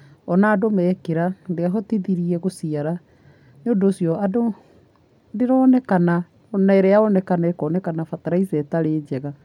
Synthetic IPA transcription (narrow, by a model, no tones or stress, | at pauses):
ɔnaːdomɛːkeɾandeaɦɔtiðiɾiɛɣosiaɾa | noːdoːsjɔado | ndeɾɔːnɛkana | naeɾeaɔnɛkanaeɾekɔːnɛkanafataɾaisɛtaɾeːd͡ʑɛɣa